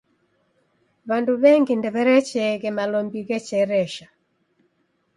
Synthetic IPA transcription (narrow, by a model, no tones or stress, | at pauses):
βanduβɛŋɡindɛβɛɾɛt͡ʃɛɣɛmalɔmbiɣɛt͡ʃɛɾɛʃa